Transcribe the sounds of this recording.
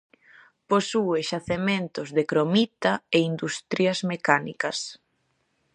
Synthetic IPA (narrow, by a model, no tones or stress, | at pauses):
posueʃaθement̪ʊzðekɾomit̪ɐeind̪ust̪ɾjɐzmekanikɐs